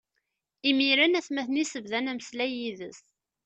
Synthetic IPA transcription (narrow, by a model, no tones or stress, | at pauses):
imiɾænæθmæθnisəvðænæməslæjiðəs